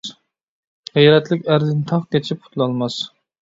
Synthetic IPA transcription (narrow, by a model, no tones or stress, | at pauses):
ʁijɾɛt̪lɪkʲæɾd̪ɪnt̪ʰɑχkʲɛt͡ʃʰip̚qʰʊ̥t̪lˠɑlˠmɑs